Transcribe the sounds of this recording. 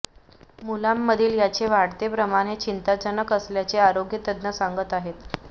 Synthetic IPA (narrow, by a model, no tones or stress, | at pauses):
mulamːəd̪ʱiːljat͡seʋaɽt̪epɾəmaɽ̃et͡ɕint̪ad͡zənəkəsljat͡seaɾoɡjət̪əd̪nəsaŋɡət̪aɦet̪